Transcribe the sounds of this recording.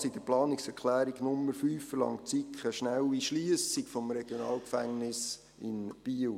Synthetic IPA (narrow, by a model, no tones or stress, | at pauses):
sid̥̪əplɑːnɪksɛɾkʰlæːɾiɡnʊmːəɾfyːfːəlɑ̰ŋt͡sikʰχəʃnæwiʃliəsikfɔmɾeɡ̥jonɑːlˠkfæŋnɪs | ɪ̰nb̥iːl